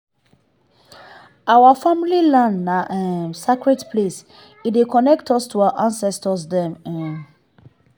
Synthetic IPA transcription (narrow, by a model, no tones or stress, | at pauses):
awafamililãnːaʔɛmsekɹɛdpʰles | idekɔnɛktɔstʰuaʔãnsɛstɔsdɛ̃mɛ̃n